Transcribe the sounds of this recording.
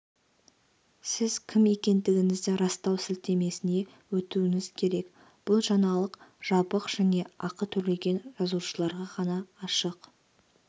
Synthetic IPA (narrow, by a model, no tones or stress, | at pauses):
sɪzkʲʰɪme̞kʲe̞nd̪ɪɡʲɪŋɪzd̪ɪɾɑst̪ɑwsɪlt̪e̞me̞sɪne̞ | wɵt̪uwɪŋɪzkʲʰe̞ɾe̞k | b̥ʊlˠʒɑnɑlˠəqʒ̥ɑpəqʒ̥æne̞ɑqət̪ʰʏɾle̞ɡʲe̞nʒɑzuʃəlˠɑɾʁɑʁɑnɑːʃəq